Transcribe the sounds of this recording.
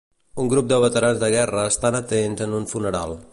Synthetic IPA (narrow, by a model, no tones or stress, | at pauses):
uŋɡɾup̚d̪əβət̪əɾanzðəɣ̞ɛrəːst̪anət̪enzənunfunəɾa̰lˠ